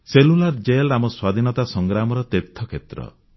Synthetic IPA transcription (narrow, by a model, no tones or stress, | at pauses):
selulaɾd͡ʒelamɔswad̪ʱinɔt̪asɔŋɡɾamɔɾɔt̪et̪ʰːɔkʰet̪ɾɔ̰